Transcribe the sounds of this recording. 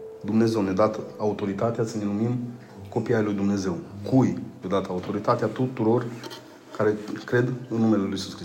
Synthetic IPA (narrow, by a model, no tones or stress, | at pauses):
d̪umne̞ze̞wne̞d̪at̪aut̪o̞ɾit̪at̪easəne̞lumim | ko̞piajlujd̪umne̞ze̞wkujned̪at̪aut̪o̞ɾit̪at̪eat̪ut̪uɾo̞r | kaɾe̞kɾe̞d̪ɨnːume̞leluisuskɾi